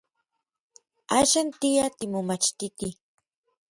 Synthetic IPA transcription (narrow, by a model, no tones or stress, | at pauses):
aʃant̪ijat̪ɪmʊmat͡ʃt̪ɪt̪i